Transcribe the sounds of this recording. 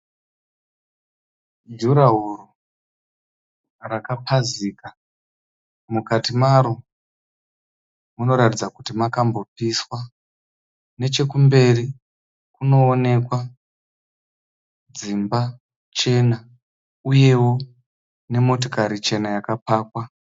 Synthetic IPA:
duɾaɦuru | rakapʰaziːka | mukatimaɾo | muno̞ɾatid͡zakutimakambo̞piswa | ne̞t͡ʃe̞kumbe̞ri | kuno̞ːne̞kwa | d͡zimba | t͡ʃe̞na | uje̞wo̞ | ne̞mo̞t̬okaɾit͡ʃe̞najakapaːkwa

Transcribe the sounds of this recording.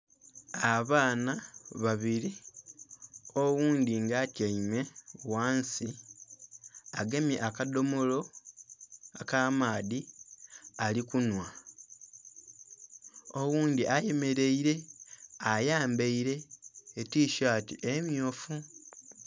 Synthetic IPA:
aβaːnaβaβiɾi | o̞wuːnd̪iŋɡaːtjaime̞waːnsi | aɡemjeʔakado̞molo̞ | akamaːdi | alikunwa | o̞wuːnd̪iʔaje̞me̞ɾe̞iɾe̞ajaːmbeiɾe̞ːtiːʃaːtḭʔemjoːfu

